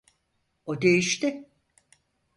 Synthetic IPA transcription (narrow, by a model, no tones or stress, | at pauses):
od̪ejiʃt̪ɪ